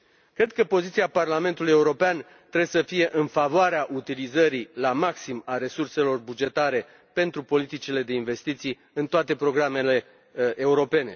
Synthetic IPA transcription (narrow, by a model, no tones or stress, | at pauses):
kɾe̞d̪̚kəpo̞zit̪siaparlame̞nt̪uluje̞uɾo̞pean | t̪ɾebsəfije̞ʔɨnfavoaɾeaʔut̪ilizəɾilamaksimaɾe̞surse̞lo̞rbud͡ʒe̞t̪aɾe̞ | pe̞nt̪ɾupo̞lit̪it͡ʃile̞d̪e̞inve̞st̪it̪sij | ɨnt̪oat̪e̞pɾo̞ɡɾame̞le̞ | ʔeuɾo̞pe̞ne̞̰